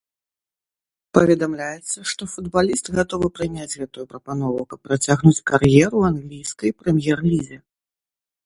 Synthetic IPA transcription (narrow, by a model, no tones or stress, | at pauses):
pɐvʲɛd̪amlʲajɛt̪sːɐʂt̪ɔfud̪balʲist̪ɣat̪ɔvɨpɾɨnʲad͡zʲɣɛt̪ujupɾɐpan̪ɔvukɐpːɾat͡sʲaɣnut͡sʲkarjɛɾuanɣlʲijskɐjpɾɛmʲjɛrlʲizʲɛ